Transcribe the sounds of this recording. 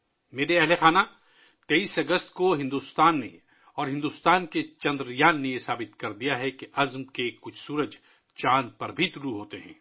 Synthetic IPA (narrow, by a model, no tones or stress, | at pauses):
meːɾeɐɦlexaːna | t̪eiːsɐɡəst̪koɦɪ̃nd̪ust̪aːnːḛ | ɔːɾɦɪ̃nd̪ust̪aːnket͡ʃɐ̃nd̪ɾjaːnːejesaːbɪt̪kɐɾd̪ijaɦɛkeʔɐzmkekʊt͡ʃʰsuːɾəd͡ʒ | t͡ʃaːnpɐɾbʱit̪ʊluɦoːt̪eɦɛ̰̃ː